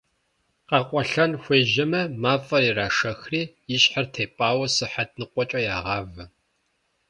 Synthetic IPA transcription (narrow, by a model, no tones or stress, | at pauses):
qɑːqʷʼɔɬɐnxʷeːʒɐmɐmaːfʼɐriːraːʂɐxriːjɪɕħɐrtʰeːpʼaːwɐsɨħat̚nɨqʷɔt͡ʃʼɐjaːʁɑːvɐ